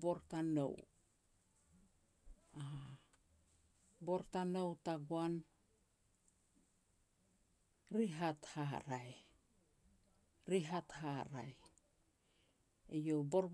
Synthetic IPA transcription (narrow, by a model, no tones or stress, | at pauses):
bo̞ɾtano̞̰w | a | bo̞ɾtanowtaɡuan | ɾiɦathaɾaj | ɾiɦatɦaɾa̰j | ejo̞bo̞ɾb